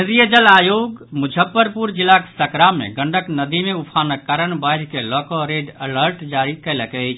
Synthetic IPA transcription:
nɾijəd͡ʒəlaːjoːɡmud͡ʒʱəpːəɾpuɾd͡ʒilːake̥səkɾamːḛ̃ɡəɳɖʱəknəd̪imeupʰaːnəkːaɾəɳbajɾkelɔkoɾeɖələɾʈd͡ʒaɾikɛləkɛt͡ʃʰ

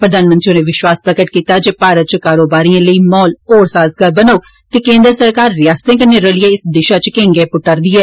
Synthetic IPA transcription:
pɾəd̪aːnmənt̪ɾionẽːʋɪʃʋaːspɾəkəʈkiːt̪aːd͡ʒeːpaːɾət̪̚t͡ʃkaːɾoːbaːɾiːãːləiːmɔːloːɾsaːzɡəɾbənao | t̪eːkẽːnd̪ɾsəɾkaːɾːɪjaːst̪ẽːkənːeɾəliẽːɪsd̪ɪʃaːt͡ʃkẽːŋɡɛːpʊʈːəɾd̪iːɛː

